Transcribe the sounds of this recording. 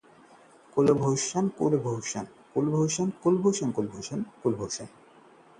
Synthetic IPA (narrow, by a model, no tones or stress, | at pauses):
kulbʱowʃankulbʱowʃan | kulbʱowʃankulbʱoʃankulbʱowʃankulbʱoʃan